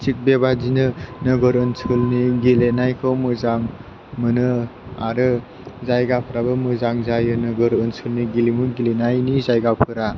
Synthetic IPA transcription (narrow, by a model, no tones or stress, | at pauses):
sik̚bebazinɯnɯɡɯɾɯnsʰɯlniɡilenajkʰɯwmɯzaŋ | mɯnɯaɾɯ | zajɡapʰɯɾabɯmɯzaŋzajɯnɯɡɯɾɯnsʰɯlniɡilimuɡilenajnizajɡapʰɯɾa